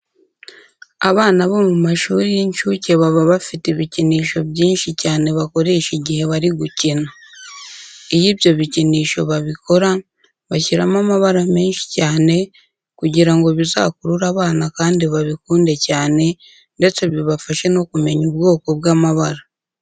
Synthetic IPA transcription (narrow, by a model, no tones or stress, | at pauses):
aβaːnaβo̞mumaʃuːɾijeɲʃuce̞βaβaβafiteβiciniːʃo̞βɟiːnʃicaːne̞βako̞ɾe̞ʃiɟihe̞βaɾiɡucina | ijibjo̞βiciniːʃo̞βaβiko̞ɾa | βaçiɾamamaβaɾame̞ːnʃi̥caːne̞ | kuɟiɾaŋɡo̞βiza̰kuɾuɾaβaːnakaːndiβaβikuːnde̞caːne̞ | nde̞t͡se̞βiβafaʃe̞no̞kume̞ɲubɡo̞ːko̞b̚ɡaːmaβaɾa